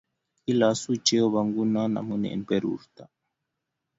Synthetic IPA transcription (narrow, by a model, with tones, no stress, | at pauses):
i˦la˨˦su˦t͡ʃɛ˦ɔ˦βa˨ŋɡu˦na˦na̰˨mu˦nɛ̰˨npɛ˦ɾṵ˨ɾt̪a˨